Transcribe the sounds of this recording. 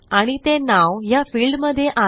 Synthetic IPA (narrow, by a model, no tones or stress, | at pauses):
aɽ̃it̪enaʋɦjafiːlɖməd̪ʱːjeʔa